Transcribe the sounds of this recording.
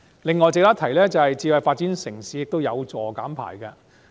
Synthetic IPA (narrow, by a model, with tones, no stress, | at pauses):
lɪ˨ŋːɔː˨jt͡sɪ˨k̚t̪aː˥t̪ʰɐ˨˩jlɛː˥t͡sɐ˨hɐ˨jt͡siː˧wɐ˨˧jfaː˧t̚t͡siː˨˥nsɪ˨˩ŋsiː˨˥jɪ˨k̚t̪o˥wjɐ˨˧wt͡sɔː˨˩kaː˨˥mpʰa̰ː˨˩jkɐ˧